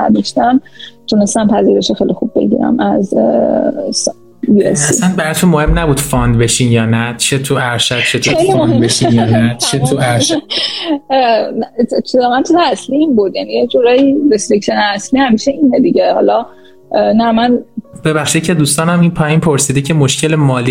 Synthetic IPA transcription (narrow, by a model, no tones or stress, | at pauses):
æ̰d̪ɔʃt̪æmt̪ʰunest̪æmpʰæziɾe̞ʃexejlixubːe̞̰ɟḭːɾæ̰mʔæ̰z | s | jiḛsæisænbæɾɒt̪ʰunmohe̞mnæbuːd̪̥fɒnd̪be̞ʃiːnjɒːnæt͡ʃʰet̪ʰuæɾʃæd̥̚t͡ʃʰet̪uejlmoebeʃinjnæt͡ʃʰet̪ʰuæɾʃ | t͡ʃʰizɒmænt̪ʰut̪ʰæsliiːnbud̪jænijed͡ʒuɾɒːjiɾest̪ɾekʃeneæsliːhæmiːʃeʔiːned̪iɟehɒ̰ːlɒ | næmænb̥eβæχʃid̪̚cʰe̞d̪uːst̪ɒːnæminpʰɒːjinpʰoɾsiːd̪ecʰe̞moʃcʰelemɒːli